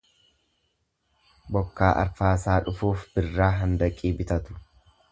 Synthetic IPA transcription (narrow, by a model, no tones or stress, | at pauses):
bɔkːaːʔɐ̰ɾfaːsaːᶑʊfuːfb̥ɪrːaːɦɐnd̪ɐkʼːiːbɪt̪ɐt̪ʊ̥